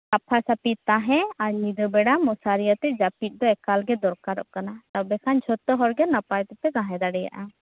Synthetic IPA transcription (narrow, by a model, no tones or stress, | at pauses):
kapʰasapit̪̚t̪aɦɛ̃aɾɲid̪ɔbɛɽamɔsaɾijat̪ɛd͡ʒapit̪̚d̪ɔɛkalɡɛd̪ɔɾkaɾɔ̰ʔkanat̪abɛkʰand͡ʒʱɔt̪ɔɦɔɾɡɛnapajt̪ɛpɛɡãɦɛ̃d̪aɽɛja̰ʔa